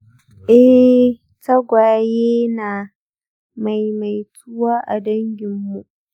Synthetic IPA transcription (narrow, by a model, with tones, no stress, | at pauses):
ʔɛ˦ | tɐ˦ɡʷaː˨jeː˦naː˨ | ma˨jma˨jtʰu˦waː˦ʔa̰˨dɐ˦ŋɡʲɪ˨mːu˨ʔ